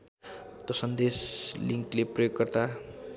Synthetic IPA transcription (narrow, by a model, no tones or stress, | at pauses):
t̪ʌsʌnd̪esliŋkleprʌjoɡkʌrt̪a